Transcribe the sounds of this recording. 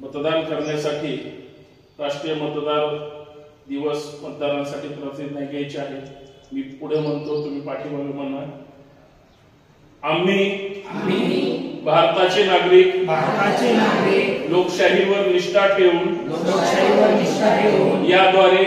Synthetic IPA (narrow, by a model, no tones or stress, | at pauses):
mət̪d̪ankəɾɳjasaʈʰiː | ɾaʂʈɾijəmət̪d̪aɾ | d̪iʋəsmət̪̚d̪aɾãsaʈʰiːpɾəsid̪njaɡajt͡ɕaɦemiːpuɽ̤em̤əɳt̪ot̪um̤iːpaʈʰiʋalemənna | am̤iːibʱaɾt̪at͡ɕenaɡɾiːkbʱaɾt̪at͡ɕenaɡɾiklokɕaɦiʋəɾniʂʈʰaʈʰeuːn | olokɕaɦiʋəɾniʂʈakʰeuːjad̪ʋaɾe